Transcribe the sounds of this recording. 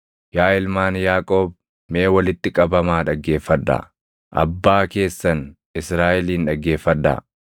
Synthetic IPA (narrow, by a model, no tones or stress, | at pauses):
jaːɪlmaːnjaːkʼo̞ːb | meːwɐlɪt̪ːɪkʼɐbɐmaːᶑɐɡːe̞ːfːɐd̪ːɐ̰ | ʔɐ̰bːaːke̞ːsːɐn | ɪsɾaːʔɪliːnᶑɐɡːe̞ːfːɐd̪ːɐ̰